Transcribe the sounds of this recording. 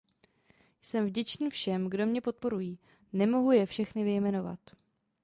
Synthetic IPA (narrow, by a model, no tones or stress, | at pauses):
jsɛmvɟɛt͡ʃniːfʃɛmɡdo̞mɲɛpo̞t̪̚po̞ɾujiː | nɛmo̞ɦujɛfʃɛxnɪvɪjmɛno̞va̰t̪